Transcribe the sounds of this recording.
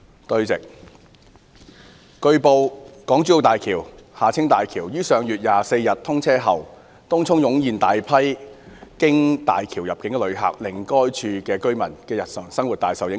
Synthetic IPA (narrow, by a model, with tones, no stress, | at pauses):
t̪ɵ˧ɥt͡sɪ˨k̚ | kɵ˧ɥpo˧wkɔː˨˥ŋt͡ʃyː˧˥o˧wt̪aː˨jkʰiː˨˩whaː˨t͡sʰɪ˥ŋt̪aː˨jkʰiː˨˩wjyː˥sœː˨˧ŋjyː˨t̚jaː˨se˧jjɐ˨t̚t̪ʰʊ˥ŋt͡sʰɛː˥ɦɐ˨w | t̪ʊ˥ŋt͡sʰʊ˥ŋjʊ˨˥ŋjiː˨nt̪aː˨jpʰɐ˥jkɪ˥ŋt̪a̰ː˨jkʰiː˨˩wjɐ˨p̚kɪ˨˥ŋɛ˧lɵ˨˧ɥɦa̰ː˨k̚lɪ˨˩ŋkɔː˥jt͡ʃʰyː˧kɛː˧kɵ˥ɥmɐ˨˩nkɛː˧jɐ˨t̚sɐ˨˩ŋsɐ˥ŋwu˨t̚t̪aː˨jsɐ˨wjɪ˨˥